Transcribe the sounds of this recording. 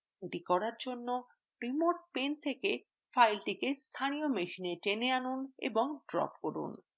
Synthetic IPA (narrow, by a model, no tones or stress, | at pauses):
eʈikɔɾaɾd͡ʑonːo | ɾimoɾʈ̚pent̪ʰeke | fajlʈikest̪ʰanijomeʃineʈeneanunḛboŋɖɾɔ̰pkoɾṵn